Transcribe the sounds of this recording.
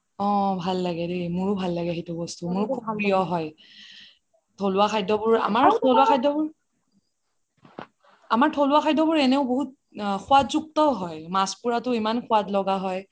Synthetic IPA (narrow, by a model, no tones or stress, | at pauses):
ɔ̃bʱalːaɡɛdemʊɹʊbʱalːaɡɛaɦitʊbɔstumʊɹkʰumaɹijɔɦɔj | tʰoluaxʰajdɔbʊɹa̰maɹtʰoluaxʰajdɔbʊɹ | amaɹtʰoluakʰxʰajdɔbʊɹɛneʊboɦut̚ | xʰʊwatzuk̚tɔɦɔjmaspuɹatʊimankʰʊwatlɔɡaɦɔj